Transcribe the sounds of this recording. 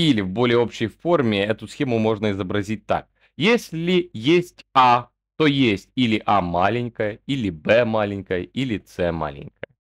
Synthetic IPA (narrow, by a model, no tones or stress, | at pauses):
ilʲɪvbo̞lʲɪjəo̞pɕːɪjfo̞rmʲɪɛt̪ʊsxʲemʊmo̞ʐnəɪzəbɾɐzʲit̚ʲt̪a̰k̚ | jesʲlʲɪjesʲtʲa | t̪o̞jesʲtʲilʲɪʔamalʲɪnʲkəjəilʲɪbɛmalʲɪnʲkəjəʔilʲɪt̪sɛma̰lʲɪ̰nʲkəjə